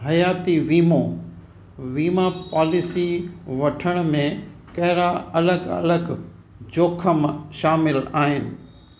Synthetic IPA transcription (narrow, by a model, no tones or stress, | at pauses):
ɦɐjaːt̪iʋiːmõ | ʋiːmapaːlɪsiʋɐʈʰəɽ̃mẽ | kɐɦɪɾaɐləɡɐ̰ləɡ | d͡ʑoːkʰəmʃaːmɪlaːɦɪnɪ̆